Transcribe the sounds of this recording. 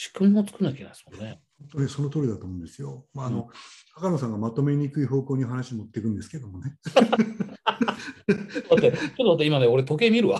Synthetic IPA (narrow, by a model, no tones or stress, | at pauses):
ɕi̥kɯmmot͡sɨ̥kɯ̟naikʲena̰d̪smonːehõnt̪o̞neso̞not̪oːɾʲid̪at̪oːmõːnd̪e̞sɨjo̞maːno̞kakanos̬ãŋɡamat̪o̞me̞ɲ̟ikɯ̟iɦo̞ːkoːɲ̟ioɦanaɕimot̪ːekɯ̟̃nd̪e̞sɨ̥ke̞d̪o̞mone̞ | d̪at̪ːet͡ɕot̪ːat̪̬ːeimaneo̞ɾet̪o̞k̬e̞mʲiɾɯ̟a